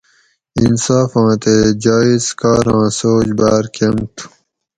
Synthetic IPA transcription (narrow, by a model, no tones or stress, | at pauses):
insaːfɑ̃ːt̪eːd͡ʑaːizkaːɾɑ̃ːsoːd͡ʑbaːɾkʰemt̪ʰu̥